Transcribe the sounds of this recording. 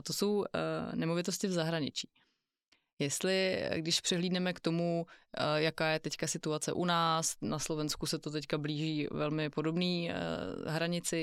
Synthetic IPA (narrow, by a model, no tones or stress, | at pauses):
t̪oso̞wnɛmo̞vɪt̪o̞scɪvzaɦɾaɲɪt͡ʃi̥ː | jɛst̪lɪɡdɪʃpr̥ɛɦliːdnɛmɛkt̪o̞mu | jakaːjɛt̪ɛckasɪt̪uat͡sɛ̰ʔunaːsnaslo̞vɛnskusɛt̪ot̪̬ɛckabliːʒiːvɛlmɪpo̞do̞bnḭː | ɦɾaɲɪt͡sɪ